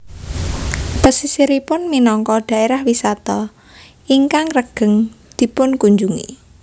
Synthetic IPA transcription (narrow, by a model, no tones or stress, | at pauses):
pəsisiɾipʊnminɔŋkɔd̪̥ä̤ʔeɾahwisat̪ɔ | iŋkaŋrəɡ̥ə̤ŋd̪̥i̤pʊnkuɲd͡ʒuŋḭ